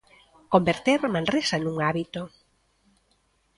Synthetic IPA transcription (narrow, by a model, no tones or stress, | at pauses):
kombeɾt̪eɾmanresanũŋaβit̪o